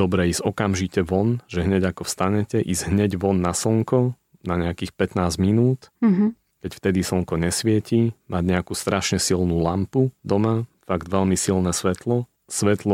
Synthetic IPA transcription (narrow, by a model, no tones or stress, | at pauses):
d̪ɔbɾɛiːz̥ɔkamʒicɛʋɔnʒ̥ɛɦɲɛɟakɔfst̪aɲɛcɛʔiːzɦɲɛɟʋɔnːasɔŋkɔ | naɲɛakiːxpɛt̪naːzminuːt̪ɦ | kɛcft̪ɛd̪isɔŋkɔɲɛsʋɪɛcimaɟɲɛakuːst̪ɾaʃɲɛsilnuːlampud̪ɔmafaɡd̪ʋɛʎmisilnɛsʋɛt̪lɔ | sʋɛt̪lɔ